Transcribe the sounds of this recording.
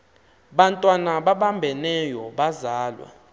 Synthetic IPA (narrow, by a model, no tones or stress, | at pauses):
ɓantʼwanaɓaɓambʱɛnɛjɔɓazaːlwa̰